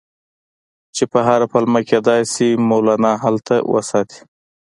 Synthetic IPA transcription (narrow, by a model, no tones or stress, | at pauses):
t͡ʃepəɦaɾapalmaked̪ɑːjsimolaːnaɦalt̪awʔə̰sɑːt̪ʰi̥